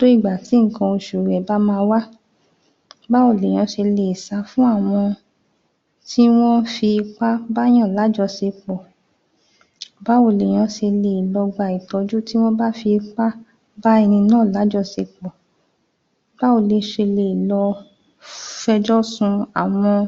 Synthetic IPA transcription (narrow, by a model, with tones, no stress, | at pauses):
do˦i˦˨ɡ͡ba˨ti˨˦ŋ̩˨kã˧o˧ʃu˨ɾɛ˨ba˦mãː˧wa˦ | ba˦o˨le˨j̃ã˧ʃe˧le˨i˨sa˧fũ˦a˦˨w̃ɔ̃˧ | ti˦w̃ɔ̃˦fi˧k͡pa˦ba˦j̃ã˦˨la˨˦d͡ʒɔ˧se˧k͡pɔ˨ | ba˦o˨le˨j̃ã˧ʃe˧le˧˨i˨lɔ˧ɡ͡ba˧˨i˨tɔ˨˧d͡ʒu˦ti˦w̃ɔ̃˦ba˦fi˧k͡pa˦ | ba˦ɛ˧nĩ˧nãː˦˨la˨˦d͡ʒɔ˦˧se˧k͡pɔ˨ | b̥a˦o˨le˨ʃe˧le˨i˨lɔ˧ | fɛ˧d͡ʒɔ˦sũ˧a˨w̃ɔ̃˧